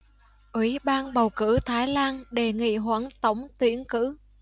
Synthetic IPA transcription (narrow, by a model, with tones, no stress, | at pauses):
ʔwi˨˦ɓaː˧nɓə˨˩wkɨ̰˧˥t̪ʰaː˨˦jlaː˧nɗe˨˩ŋḭ˧˨ɦwaː˧˥nt̪ə˨˦wŋ͡mt̪wi˨˦ənkɨ̰˧˥